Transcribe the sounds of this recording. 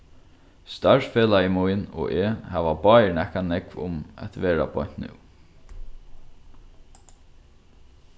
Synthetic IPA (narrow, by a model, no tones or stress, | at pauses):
st̪aɹsfeːlaimujnɔ̰ʔɛːhæːʋabɑːnɛhkanɛkvʊ̰mɛ̰t̪ʋeːɾa̰bɔn̥t̪nɪ̰w